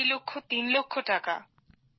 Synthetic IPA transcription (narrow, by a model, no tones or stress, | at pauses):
lokʰːot̪inlokʰːoʈaka̰